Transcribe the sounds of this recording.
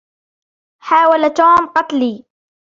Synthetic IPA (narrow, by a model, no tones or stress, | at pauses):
ħaːwalat̪oːmqɑt̪liː